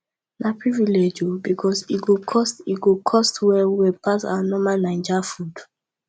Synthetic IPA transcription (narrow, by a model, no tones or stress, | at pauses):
napɹiviled͡ʒubikʰɔsiɡokʰɔstiɡokʰɔstwɛwɛpasa̰wanɔmanãɪ̃d͡ʒafud